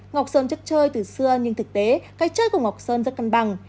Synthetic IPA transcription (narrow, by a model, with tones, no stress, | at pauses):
ŋɔ˨˩wk͡p̚səː˧nt͡ɕə˦˥t̚t͡ɕəː˧jt̪ɨ˨˩sɨ˧əɲɨ˧ŋt̪ʰɨ˨˩k̚t̪e˨˦kaː˨˦jt͡ɕəː˧jku˧˩əŋa˨˩wk͡p̚səː˧nzə˦˥t̚ka˧nɓa˧˩ŋ